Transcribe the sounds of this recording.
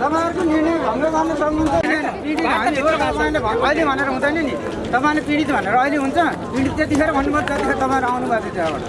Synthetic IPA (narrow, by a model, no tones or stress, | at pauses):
t̪ʌpãʌɾukonirnʌjɡʱʌŋrʌɡarnosʌmmʌnd̪nʌnipiɽit̪ʌ̃oɾʌpãlabʱʌʌilebʱʌneɾʌɦũd̪ʌjnʌni | t̪ʌpãʌrepiɽit̪bʱʌneɾʌːjleɦunt͡sʰʌ | piɽit̪̚t̪et̪ipʰeɾʌbʱʌnːubʌt̪et̪ikʰeɾʌt̪ʌpaj̃ʌɾuawnubat̪et͡seaba̰ɽ